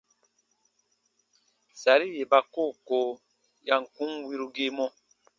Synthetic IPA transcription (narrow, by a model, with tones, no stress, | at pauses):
sa˨ɾi˦je˨ba˧koː˦˨ko˨ | ja˨ŋ̩˨kũ˦ŋwi˦ɾu˧ɡe˦mɔ̃˧